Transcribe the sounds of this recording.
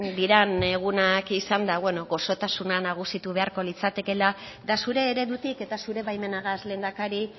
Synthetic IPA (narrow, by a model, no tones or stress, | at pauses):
d̪iɾane̞ɣunakisand̪aβwe̞no̞ɣo̞so̞t̪asunanaɣ̞usit̪uβ̞e̞aɾko̞lit͡sat̪e̞ke̞la | d̪asuɾe̞ːɾe̞ðut̪ike̞t̪asuɾe̞βajme̞naɣazle̞ːnd̪akaɾi